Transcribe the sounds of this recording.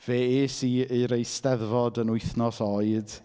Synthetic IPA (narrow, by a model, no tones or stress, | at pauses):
v̥eːeːsiːeɾejstɛðvɔdənʊɨθnɔsɔɨd̥